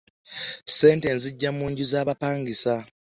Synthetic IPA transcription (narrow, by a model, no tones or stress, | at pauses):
se̞ːnte̞nziɟːamuːɲɟuzaːβapaːŋɡisa